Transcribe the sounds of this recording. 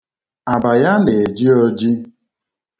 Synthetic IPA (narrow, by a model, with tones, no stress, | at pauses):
a˨ba˨ja˦ne˨e˨d͡ʒi˦o˦d͡ʒi˦